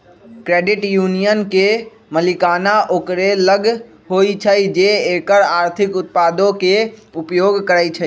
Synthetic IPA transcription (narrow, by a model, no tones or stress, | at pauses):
kɾeɖiʈjunijənke | məlikaːnaʔoːkɾeləɡ | ɦoit͡ʃʰəjd͡ʒeekəɾaːɾt̪ʰikʊt̪̚pad̪õkeupjoɡkəɾəjt͡ʃʰə